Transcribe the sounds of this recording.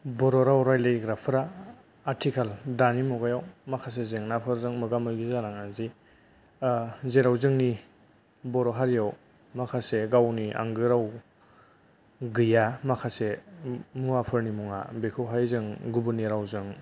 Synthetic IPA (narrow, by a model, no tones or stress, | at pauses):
bɔɾɔɾawɾajlejɡɾapʰɯɾaː | ɾtʰikʰaldanimɔɡajawmakʰas̬ezeŋnapʰɯɾzɯŋmɯɡamɯjɡizanaŋanzi | zeɾawzɯŋni | bɔɾɔɦaɾijaw | makʰaseɡawniʔa̰ŋɡɯɾaw | ɡɯjamakʰasemuapʰɯɾnimuŋa̰bekʰɯwɦajzɯŋɡubɯniɾawzɯŋ